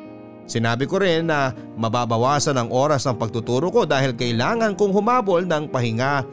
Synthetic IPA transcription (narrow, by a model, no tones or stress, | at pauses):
sɪnaːbɪkoɾɪnːɐ | mɐbaːbɐwaːsɐnɐŋʔo̞ːɾɐsnɐŋpɐɡ̚t̪ʊt̪uːɾoko̞d̪aːhɪlkɐʔɪlaːŋɐnkʊŋhʊmaːbolnɐŋpɐhɪŋa